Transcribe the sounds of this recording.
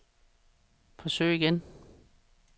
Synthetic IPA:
fʰɒ̽sø̰ːiɡ̥en

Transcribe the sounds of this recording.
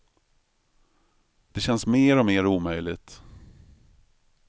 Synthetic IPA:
d̪̥ɛɕɛnsmeːɾɔmeːɾuːmœjlɪɡt̪

